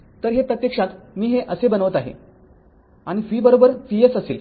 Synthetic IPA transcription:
t̪əɾɦepɾət̪jekʂat̪miːɦeʔəsebənəʋət̪aɦḛ | aɽ̃ifiːbəɾobəɾpiesəseːl

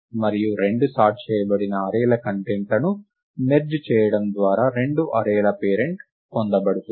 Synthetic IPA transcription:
mɐɾijuɾe̞ɳɖusaːʈ̚t͡ʃɛːjɐbɐɽinɐːɾɛːlɐkɐɳʈeɳʈlɐnu | meɾd͡ʒt͡ʃɛːjɐɽɐmd̪ʋaːɾaːɾe̞ɳɖuʔɐɾɛːlɐpeːɾe̞ɳʈ | kond̪ɐbɐɽut̪

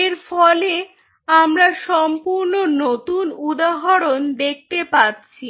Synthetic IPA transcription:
eɾfɔle | amɾaʃɔmpuɾnonot̪unud̪aɦoɾond̪ek̚ʰt̪epatːɕʰi

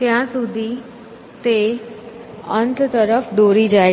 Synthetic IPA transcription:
t̪jãsud̪ʱiː | t̪e | ənt̪t̪əɾəfɖ̪oɾiːd͡ʒa

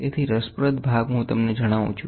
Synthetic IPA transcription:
et̪ʰiɾəspɾət̪bʱaɡɦũt̪əmned͡ʒəɽ̃aʋṵ̃t͡ʃʰu

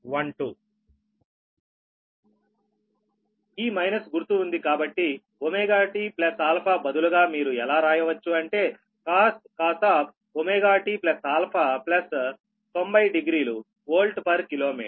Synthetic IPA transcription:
ʋɐɳʈu | iːmɐjnɐsɡuɾt̪uːnd̪ikaːbɐʈːi | omeːɡaːʈiplɐsaːlpʰaːbɐd̪uluɡaːmiːɾuɛlaːɾaːjɐʋɐt͡ʃːuɐɳʈe̞ː | kaːskaːsʈ̪aːp | omeːɡaːʈiplɐsaːlpʰaplɐs | t̪o̞mbɐjɖiɡɾiːlu | oːlʈpɐɾkilo̞ːmḭːʈ

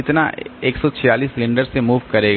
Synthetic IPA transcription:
ɪt̪na̰eːksɔt͡ʃʰɪjaːliːslɪ̃ɳɖəɾsemuːʋkɐɾeːɡ

